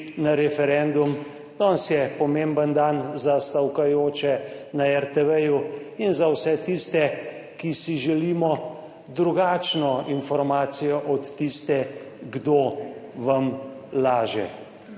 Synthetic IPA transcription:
naɾɛfɛɾɛnd̪um | d̪̥ɔnsjɛpɔmembənd̪anzast̪awkajoːt͡ʃɛnaɛɾt̪ɛʋɛjuinzawsɛt̪ist̪ɛ | kisiʒɛliːmɔ | d̪ɾuɡaːt͡ʃnɔinfɔɾmaːt̪sijɔʔɔt̪ːist̪ɛɡd̪oʋamlaːʒɛ̰

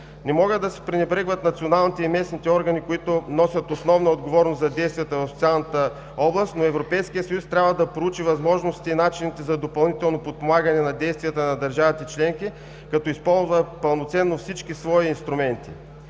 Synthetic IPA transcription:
nɛmɔɡəd̪d̪ɐsɛ̥pɾinɛbɾɛɡvət̪nɐt̪sionalˠnit̪ɛimɛsnit̪ɛɔɾɡɐnikoit̪ʊnɔsʲɐt̪osnɔvnɐod̪ɡovɔɾnoszɐd̪ɛjst̪vijət̪əvɐfst̪sʲalˠnət̪ə | ɔblˠəst̪noɛvɾopɛjskijət̪sɐjust̪ɾʲabvəd̪ɐpɾout͡ʃivɐzmɔʒnost̪iinat͡ʃinit̪ɛzɐd̪opɐlˠnit̪ɛlˠnopot̪̚pomaɡɐnɛnɐd̪ɛjst̪vijət̪ənɐd̪ɐɾʒavit̪ɛt͡ʃlɛŋki | kɐt̪ɔispɔlˠzvəpɐlˠnot̪sɛnːofsit͡ʃkisvɔiinst̪ɾumɛnt̪i

